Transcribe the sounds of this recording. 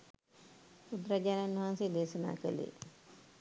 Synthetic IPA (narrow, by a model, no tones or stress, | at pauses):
pud̪ɾaɟaːnanːɐɦansed̪eːsɐna̰ːkə̰lḛ